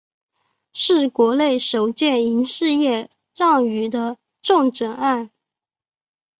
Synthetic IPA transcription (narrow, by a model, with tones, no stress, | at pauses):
ʂɻ̩˥˩kwɔ˧˥le˥˩ɪʂo˨˩ʊt͡ɕjɛ˥˩ni˧˥nʂɻ̩˥˧jɛ˥˧ | ɻɑ˥˩ŋy˨˩d̪ə˧˦ | ʈ͡ʂʊ˥˧ŋʈ͡ʂə˨˩ŋa˥˩n